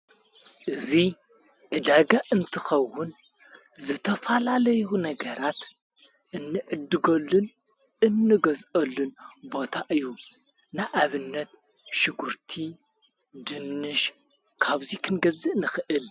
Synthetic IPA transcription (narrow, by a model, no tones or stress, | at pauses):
ʔɨzi | ʕɨd̪aɡaʔɨnt̪ʰɨxɐwːʊn | zɨt̪ʰɐfɐlalɐjunɐɡɐɾat̪ | ʔɨnːɨʕɨd̪ːɨɡɐlːun | ɨnːɨɡɐzʔɐlːunbo̞t̪ʰaʔɨjːu | naʔaβɨnːɐt̪̚ | ʃɪɡuɾt̪ʰi | d̪ɨnːɨʃ | kʰaβzikʰɨnɡɐzɨʔnɨxɨʔɨl